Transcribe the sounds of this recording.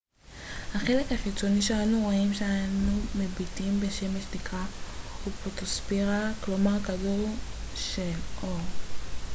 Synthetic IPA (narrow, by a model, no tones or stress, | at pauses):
haχe̞lekhaχit͡so̞niʃeanuʁoimʃeaanumebitimbeʃe̞meʃdikaupotospeʁaklomaʁkaduʁʃeloʁ